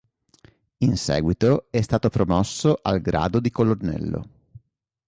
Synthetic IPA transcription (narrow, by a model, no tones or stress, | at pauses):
insɛ̰ːɡwit̪oɛst̪aːt̪opɾomɔsːoʔalɡɾa̰ːd̪od̪ikolonɛ̰lːo̰